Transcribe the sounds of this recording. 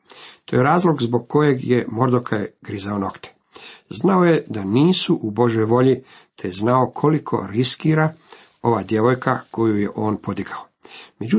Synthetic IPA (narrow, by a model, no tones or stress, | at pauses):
t̪ojeɾaːzlˠo̞ɡzbo̞ɡkːo̞je̞ɡjemo̞ɾd̪okʰajɡ̥ɾizaono̞kt̪e̥ | znao̞je̞d̪aniːsuʔubo̞ʒjo̞jʋo̞ʎi | t̪ʰeznao̞kʰo̞likʰo̞̰ɾiskiːɾa | o̞ʋaːd̪je̞ʋo̞jkʰakʰo̞juje̞ʔo̞ːnpo̞d̪iɡao | me̞d͡ʑu